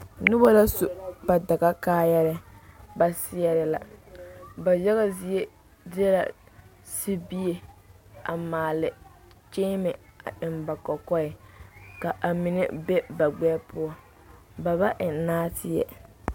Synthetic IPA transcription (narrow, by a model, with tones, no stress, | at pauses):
nʊ˦ba˦la˦su˨ba˨da˨ɡa˦kaː˦jɛ˦ɾɪ˦ba˨sɪ˦jɛ˦ɾɪ˦la̰˨ | ba˨jɛ˦ɣa˦zi˦e˦ | dɪ˦ɛ˦la̰˨ | si˦bi˦je˦ | a̰˨maː˨lɪ˨ | t͡ʃeː˦mɪ˨a̰˨ɪ˨mba˨kɔ˨kɔ˦ɪ˨ka˨ʔa˨mɪ˨nḛ˦be˦ba˨ɡ͡bɛː˦pʊ˦ɔ˦ | ba˨ba˦ʔɪ˨naː˦tʰɪ˦˨jɛ̰˨